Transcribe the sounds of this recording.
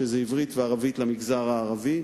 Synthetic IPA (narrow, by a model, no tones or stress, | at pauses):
ezeivʁit̪veaʁavit̪lamiɡzaʁaːʁavi